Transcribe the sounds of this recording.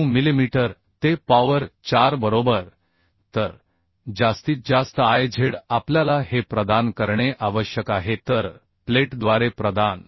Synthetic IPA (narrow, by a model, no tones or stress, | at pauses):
ũmilimiʈəɾ | t̪epaʋəɾt͡ɕaɾbəɾobəɾ | t̪əɾ | d͡ʑast̪iːt̪̚d͡ʑast̪əajd͡ʑʱeɽapljalaɦepɾəd̪ankəɾɳeʔaʋəɕjəkaɦet̪əɾ | pleʈd̪ʋaɾepɾəd̪an